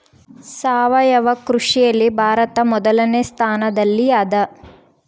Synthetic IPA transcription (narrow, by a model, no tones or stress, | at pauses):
saːʋɐjɐʋɐkɾuʂijɐlːibʱaːɾɐt̪ɐmɔd̪ɐlɐnest̪ʰaːnɐd̪ɐlːiɐd̪ɐ